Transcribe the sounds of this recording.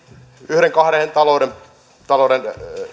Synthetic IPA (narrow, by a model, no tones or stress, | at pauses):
yhɾeŋkɑhɾehent̪ɑlouɾem | t̪ɑloden